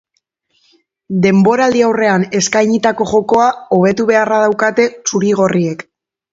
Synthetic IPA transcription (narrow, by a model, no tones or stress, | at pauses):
d̪e̞mbo̞ɾald̪iawre̞ane̞skajɲit̪ako̞ʝo̞ko̞ao̞βe̞t̪uβ̞e̞arað̞awkat̪e̞t͡suɾiɣ̞o̞rie̞k